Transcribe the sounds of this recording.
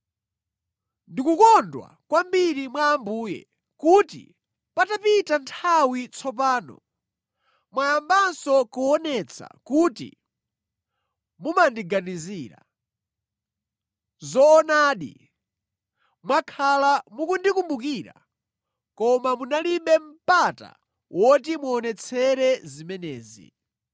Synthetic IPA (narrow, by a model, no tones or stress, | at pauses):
ndikukɔndwa̰kwambiɾimwaːmbuːjɛ̰ | kutḭ | patapitantʰawit͡sʰɔp̬aːnɔ̰ | mwajambansɔkɔɔnɛt͡sʰa̰kutḭ | mumandiɡaniziːɾa̰ | zɔːnaːɗḭ | mwakʰalamukundikumbuk̬iɾa̰ | kɔmamunaliɓɛm̩pata̰ | wʔɔtimuːnɛt͡sʰɛɾɛzimɛnɛːzḭ